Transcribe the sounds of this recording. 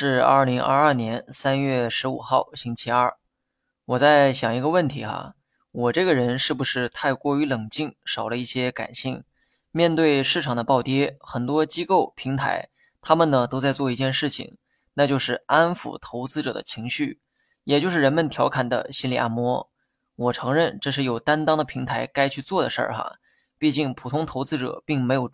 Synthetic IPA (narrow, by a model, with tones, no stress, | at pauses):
ʂɻ̩˥˧ɐ̰˞˥˩li˧˥ŋʔɐ̰˥˧ɐ˞˥˩njɛ˧˥nsa˥nɥɛ˥˩ʂɻ̩˧˥ṵ˨˩xɑ˥˩ʊɕi˥ŋt͡ɕʰi˥ɐ˞˥˩ | wɔ˨˩t͡sa˥˩ɪɕjɑ˨˩ŋi˧˥ɡə˧wə˥˩nt̪ʰi˧˥xa̰˧ | wɔ˨˩ʈ͡ʂɤ˥˩ɡə˩ɻə˧˥nʂɻ̩˥˩bu˩ʂɻ̩˥˧t̪ʰa˥˧ɪkwɔ˥˩y˧˥lɤ˨˩ŋt͡ɕi˥˩ŋʂɑ˨˩ʊlə˦i˥˩ɕjɛ˥ka̰˨˩nɕi˥˩ŋ | mjɛ˥˧nt̪we˥˧ɪʂɻ̩˥˩ʈ͡ʂʰɑ˨˩ŋd̪ə˦pɑ˥˩ʊt̪jɛ˥xə˨˩nt̪wɔ˥t͡ɕi˥ko˥˩ʊpʰi˧˥ŋt̪ʰa̰˧˥ɪ | t̪ʰa˥mə˨nnə˩t̪o˥ʊt͡sa˥˧ɪt͡swɔ˥˧i˧t͡ɕjɛ˥˧nʂɻ̩˥˩t͡ɕʰḭ˨˩ŋ | na˥˧t͡ɕjo˥˧ʊʂɻ̩˥˩a˥nfṵ˨˩t̪ʰo˧˥ʊt͡sɹ̩˥ʈ͡ʂɤ˨˩d̪ə̰˦t͡ɕʰi˧˥ŋɕy˥˩ | jɛ˨˩t͡ɕjo˥˧ʊʂɻ̩˥˩ɻə˧˥nmə˧nt̪ʰjɑ˧˥ʊkʰa˨˩nd̪ə̰˦ɕi˥nli˨˩ʔa̰˥˩nmwɔ˧˥ | wɔ˨˩ʈ͡ʂʰɤ˧˥ŋɻə˥˧nʈ͡ʂɤ˥˧ʂɻ̩˥˩jo˨˩ʊt̪a˥nt̪ɑ˥ŋd̪ə˨pʰi˧˥ŋt̪ʰa˧˥ɪka˥ɪt͡ɕʰy˥˧t͡swɔ˥˩d̪ə˩ʂə̰˞˥˩xɐ̰˩ | pi˥˧t͡ɕi˥˩ŋpʰu˨˩t̪ʰʊ˥ŋt̪ʰo˧˥ʊt͡sɹ̩˥ʈ͡ʂɤ̰˨˩˦pi˥˩ŋme˧˥ɪjo˨˩ʊ